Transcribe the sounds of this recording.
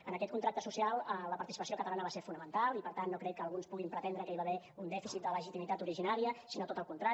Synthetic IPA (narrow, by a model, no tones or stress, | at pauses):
ənəkɛt̪kunt̪ɾakt̪əsusialˠələpəɾt̪isi̥pəsiokət̪əlanəβaseɾfunəmənt̪alˠipəɾt̪anːokɾɛkəːlˠɣunspuɣimpɾət̪ɛnd̪ɾəkəiβaβɛ | und̪ɛfisit̪̚d̪ələʒit̪imit̪at̪uɾiʒinaɾiəsinot̪ot̪əlˠkunt̪ɾa